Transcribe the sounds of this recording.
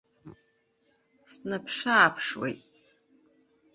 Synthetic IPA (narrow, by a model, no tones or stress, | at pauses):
snapʰʂaːpʰʂwḛjtʼ